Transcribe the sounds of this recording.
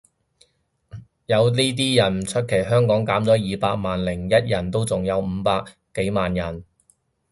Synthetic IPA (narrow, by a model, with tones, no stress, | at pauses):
jɐ˨˧wliː˥t̪̬iː˥jɐ˨˩nt͡ʃʰɵ˥t̚kʰe˨˩jɦœː˥ŋkɔː˨˥ŋkaː˨˥mt͡sɔː˨˥jiː˨˧paː˧k̚maː˨nlɪ˨˩ŋjɐ˥t̚jɐ˨˩nt̪o˥wt͡sʊ˨ŋjɐ˨˧wm̩ː˨˧paː˧k̚ | kːe˨˥jmaː˨njɐ˨˩n